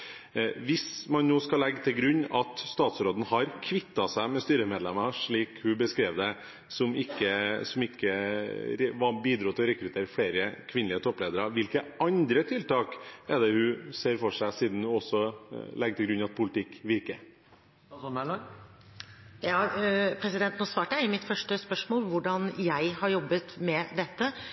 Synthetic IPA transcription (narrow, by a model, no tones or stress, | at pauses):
ʋɪsmɑnnoːskɑlɛɡːt̪ʰɪlɡɾʉɲːɑt̪st̪ɑːt̪sɾoːd̪n̩hɑɾkʰʋɪt̪ːɑsæɪmɛst̪yːɾəmeːd̪lɛmɑʂɭiːkhʉbəskɾeːʋd̪ɛ | sɔmɪkːəsɔmɪkːəɾɛʋɑbiːd̪ɾuːt̪ʰːɛɔɾɛkɾʉt̪ʰeːɾəfɽeːɾəkʰʋɪnlɪət̪ʰɔpːleːd̪əɾɑʋɪlkəʔɑnd̪ɾət̪ʰɪlt̪ɑːkɛd̪ɛhʉseːɾfɔʂæɪsiːd̪n̩hʉɔsːɔlɛɡt̪ɪɡɾʉnɑt̪̚pʰʊlɪt̪ʰɪkːʋɪɾkə | jɑːpʰɾɛsɪd̪ɛnt̪noːsʋɑːʈəjæɪɪmɪt̪fœʂʈəspœʂmoːlʋʊɖɑnjæɪhɑɾjɔbːət̪mɛd̪ɛt̪ːə